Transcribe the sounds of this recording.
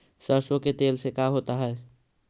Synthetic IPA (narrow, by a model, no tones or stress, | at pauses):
səɾswəket̪eːlsekaɦoːt̪aɦɛː